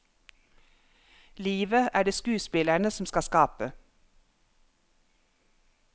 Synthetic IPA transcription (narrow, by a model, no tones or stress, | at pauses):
liːʋəʔæːɖeːskʉːspɪlæɳəsɔm̩skɑskɑːpə